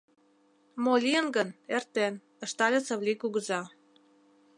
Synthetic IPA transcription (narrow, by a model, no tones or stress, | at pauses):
molʲiənɡənert̪en | ə̆ʃt̪ɑlʲet͡sə̆βlʲikuɣəzɑ